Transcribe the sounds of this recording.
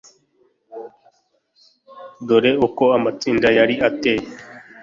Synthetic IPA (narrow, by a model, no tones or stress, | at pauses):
d̪oɾeokoamət͡sind̪ajaːɾiat̪eː